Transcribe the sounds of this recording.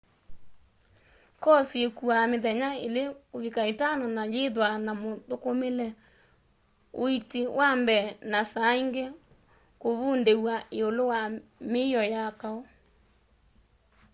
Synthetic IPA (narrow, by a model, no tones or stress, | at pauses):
kɔsiekuameðɛɲaelekoβikaetananajeðwanamotokomelɛ | oitewambɛnasaiŋɡe | koβundewaeolowameɔjakaɔ